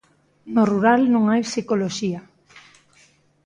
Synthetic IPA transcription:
noruɾalnõŋajsikoloʃia

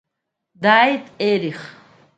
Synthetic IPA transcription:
d̪aːit̪ʼɛɾiχ

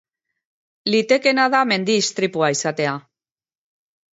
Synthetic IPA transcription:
lit̪ekenaðamẽnd̪iːst̪ɾipuajsat̪ea

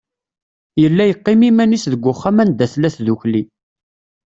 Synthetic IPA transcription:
jəlːæjəqːɪmimænisðəɡʷːʊχːamænd̪æθlæθðuçli

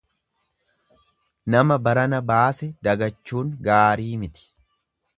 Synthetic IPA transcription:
nɐmɐbɐɾɐnɐbaːsɛd̪ɐɡɐt͡ʃːuːŋɡaːɾiːmɪt̪ɪ̥

